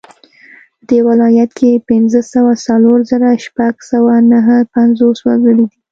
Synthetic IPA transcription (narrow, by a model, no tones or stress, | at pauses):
pəd̪ewalɑjat̪kʰepɪnzəsawasaloɾzəɾaʃpaɡsawanaɦəpanzoswazəɽid̪i